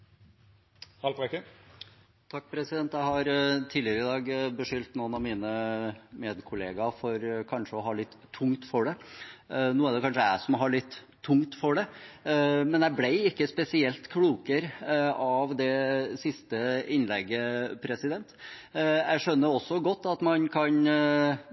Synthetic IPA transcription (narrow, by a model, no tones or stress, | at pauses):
hɑlpɛkə | t̪ʰɑk̚ːpʰɾɛsɪd̪ɛnt̪jæɪhɑɾt̪ʰiːlɪəɾəɪd̪ɑːɡbəʂʏlt̪nunɑʋmiːnəmeːd̪kʰʊleːɡɑfɔɾkʰɑnʂəɔɦɑɭɪt̪ʰːʊŋt̪fɔɖɛ | nuːæɖ̪ɛkʰɑnʂəæɪsɔmɦɑɭɪt̪ʰː | ʊŋt̪fɔɖɛ | mɛnæblæɪɪkːəspɛsɪɛlt̪kʰɽuːkəɾɑʋd̪ɛsɪst̪əɪnlɛɡəpʰɾɛsɪd̪ɛnt̪ | æ̰ɪʂœnːəɾɔsːɔɡɔt̪ːɑt̪mɑnkʰɑn